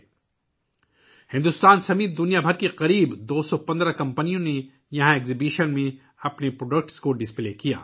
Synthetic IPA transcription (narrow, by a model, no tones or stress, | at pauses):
hɪ̃nd̪ʊst̪aːnsɐmiːt̪̚d̪ʊnijabʱɐɾkeqɐɾiːbd̪oːsɔpɐ̃nd̪ɾakɐ̃mpənijõne | jɐɦãeːkzibiːʃənmẽ | ɐpnepɾoːɖək̚ʈskoɖɪspleːkija̰ː